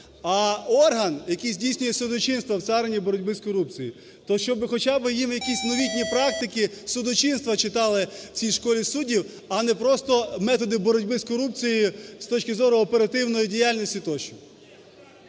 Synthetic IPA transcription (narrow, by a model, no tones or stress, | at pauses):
ɐɔrɦɐnjɐkijzʲdʲijsʲnʲʊjɛsʊd̪ɔt͡ʃinst̪ʋɐw̪sɑɾenʲibɔɾɔdʲbɪskɔɾup̚t͡sʲiji | t̪ɔʃt͡ʃɔbɪxɔt͡ʃabɪjimjɐkʲisʲnɔʋʲitʲnʲipɾɑk̚t̪ɪkɪsʊd̪ɔt͡ʃinst̪ʋɐt͡ʃɪt̪ɑlˠɪt͡sʲijʃkɔlʲisudʲiw | ɐnɛpɾɔst̪ɔmɛt̪ɔd̪ɪbɔɾɔdʲbɪskɔɾup̚t͡sʲijist̪ɔt͡ʃkɪzɔɾʊɔpeɾɐt̪ɪwnɔjidʲijalʲnʲɔsʲtʲit̪ɔt͡ʃʊw